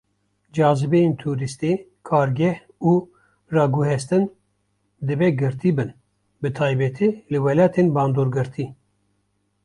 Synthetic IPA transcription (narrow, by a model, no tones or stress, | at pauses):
d͡ʒɑːzɨbejent̪ʰuːɾist̪e | kʰɑːɾɡɛh | uː | rɑːɡuhɛst̪ɨn | d̪ɨbɛɡɨɾt̪ʰiːbɨn | bɨt̪ʰɑːjbɛt̪ʰiːlɨwɛlɑːt̪ʰenbɑːnd̪oːɾɡɨɾt̪ʰiː